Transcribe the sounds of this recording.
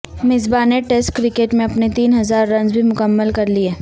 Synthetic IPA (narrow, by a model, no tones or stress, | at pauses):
mɪzbaːneʈeːsʈkɾɪkeːʈmẽɐpnet̪iːnɦɐzaːɾːɐ̃nzbʱimʊkəmːəlkɐɾlieː